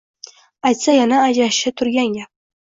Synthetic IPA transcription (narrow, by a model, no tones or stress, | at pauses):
ajt̪sajanaːd͡ʒaʃɪt̪ʰʊɾɡʲaŋɡʲa